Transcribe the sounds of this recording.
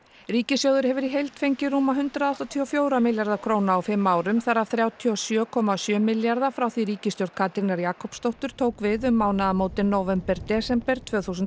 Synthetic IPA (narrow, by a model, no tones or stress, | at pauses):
ɾiːcɪsjowðʏɾhɛvʏɾiɦejlt̪fejɲcɪɾuːmaɦʏnt̪ɾaðɔht̪at̪ʰiɔfjoːwɾamɪljaɾðakʰɾoːwnaːwfɪmːaːwɾʏmθaɾavθɾjaːwt̪ʰiɔsjœːkʰɔmasjœːmɪljaɾðafɾawθiɾiːcɪst̪jowɾ̥kʰaːt̪ɾinaɾjaːkʰɔwpst̪owht̪ʏɾ̥t̪ʰoːwkvɪðʏmːaːwnaðamoːwt̪ɪnːowvɛmpɛɾt̪ɛːsɛmpɛɾ̥t̪ʰv̥œːθusʏn